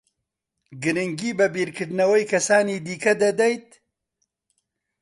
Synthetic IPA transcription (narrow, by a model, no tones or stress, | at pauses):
ɡɨɾɨŋɡiːbɐbiːɾkʰɨɾd̪nɐwɐjkʰɐsaːniːd̪iːkɐd̪ɐd̪ɐjt̪̚